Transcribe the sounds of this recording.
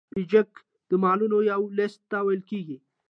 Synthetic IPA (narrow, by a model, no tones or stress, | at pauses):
ɪd͡ʒək | d̪̥əmɑlunojawlɪst̪ːawajəlkeɡi